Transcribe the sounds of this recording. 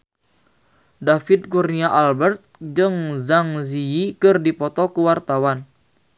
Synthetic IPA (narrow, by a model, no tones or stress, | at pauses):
dafid̪̚kurniaʔalbɛrt̪̚d͡ʒɨŋzaŋziikɨrdipɔt̪ɔkuwart̪awan